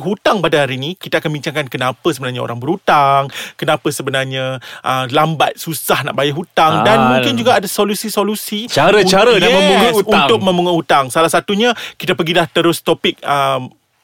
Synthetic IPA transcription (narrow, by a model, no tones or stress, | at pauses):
ɦut̪aŋpadaɦaɾiːnikit̪aakanbiɲt͡ʃaŋkankənapəsəbənarɲao̰ɾaŋbəɾut̪aŋkənãpəsəbənarɲaʔəlambat̪̚susahna̰ʔbajaʔɦut̪aŋdanmũŋkɪnd͡ʒuɡaadasolusisolusit͡ʃaɾət͡ʃaɾəjaɛəuŋauunt̪ʊk̚mə̃mbuŋahut̪aŋsalahsat̪uɲãkit̪apəɡilaht̪əɾʊst̪opɪk̚əm